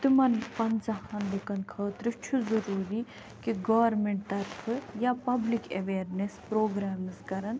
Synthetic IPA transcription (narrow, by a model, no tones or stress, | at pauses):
t̪imɐnpɐnzɐhɐnd̪ɨkɐnkʰɐːt̪ɾɨt͡ʃʰuzɐɾuːɾi | kiɡɐʋɐɾmeɳʈ̚t̪ɐɾfʰɨjapɐblikeʋeːɾnespɾoːɡɾaːmɨzkɐɾɐn